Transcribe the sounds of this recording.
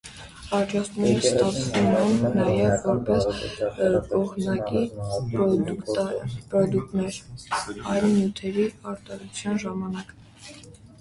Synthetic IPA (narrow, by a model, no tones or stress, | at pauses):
ɑɾd͡ʒɑst̪nɛɾəst̪ɑt͡sʰvumɛnːɑjɛvːɔɾpɛs | ɔʁʰnɑkipɾɔd̪ukt̪pɾɔd̪uk̚t̪nɛɾ | ɑjlmjut̪ʰɛɾiɑɾt̪ɑɾut͡sʰjɑnʒɑmɑnɑk̪